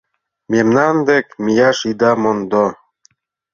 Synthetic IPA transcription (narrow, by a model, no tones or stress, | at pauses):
memnand̪ekmijaʃid̪amond̪o